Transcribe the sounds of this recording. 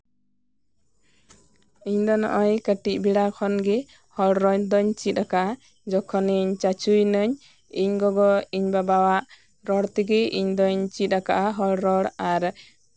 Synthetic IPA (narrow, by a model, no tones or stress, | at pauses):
iɲd̪ɔnɔ̰ʔɔjkəʈic̚ˀbiɽakʰɔnɡɛ | hɔlɽɾɔɲd̪ɔɲt͡ʃit̪̚ˀakaʔa | d͡ʒɔkʰɔniɲt͡ʃat͡ʃujnɔɲ | iɲɡɔɡɔiɲbabawaʔ | ɾɔɽt̪iɡɛʔḭɲd̪ɔɲt͡ʃit̪̚ɾaka̰ʔaɦɔlɾɔɽaɾ